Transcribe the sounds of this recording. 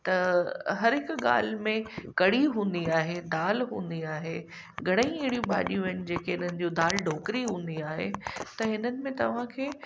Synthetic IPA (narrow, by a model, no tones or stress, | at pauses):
t̪ɐɦɐɾɦɪkɠa̰ːl̤mẽkɐɽiɦũːn̆d̪iaːɦed̪aːlɦṵ̃ːn̆d̪iaːɦe | ɡʱɐɽ̃əĩɪɦɪɽijũba̰ːɗijũɐɪnd͡ʑeːkeɦɪn̤ənɪ̆d͡ʑod̪aːlɖʱoːkɪɾiɦũːn̆d̪iaːɦḛt̪ɐɦɪnənɪ̆mẽt̪ɐʋ̤ãkʰeː